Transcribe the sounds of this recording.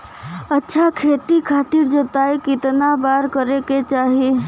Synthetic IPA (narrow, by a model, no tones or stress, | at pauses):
ətːʃʰakʰet̪ikʰat̪iɾd͡ʒot̪aikɪt̪nabaɾkəɾeket͡ʃaɦi